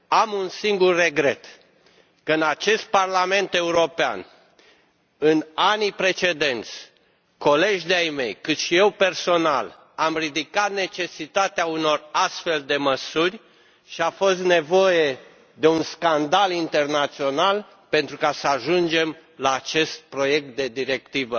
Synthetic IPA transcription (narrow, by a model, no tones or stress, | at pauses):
amunsiŋɡurːe̞ɡɾe̞t̪ | kəɨnat͡ʃe̞st̪̚parlame̞nt̪e̞uɾo̞pea̰n | ɨnanipɾe̞t͡ʃe̞d̪e̞nt̪sʲ | ko̞le̞ʒd̪eajmejkɨt̪ʃije̞wpe̞rso̞na̰l | amrid̪ikat̪̚ne̞t͡ʃe̞sit̪at̪eauno̞rast̪fe̞ld̪e̞məsurʲ | ʃiafo̞st̪ne̞vo̞je̞ | d̪e̞unskand̪alint̪e̞rnat̪sio̞nal | pe̞nt̪ɾukasəaʒund͡ʒe̞mlaːt͡ʃe̞st̪̚pɾo̞je̞k̚t̪̚d̪e̞d̪iɾe̞k̚t̪ivə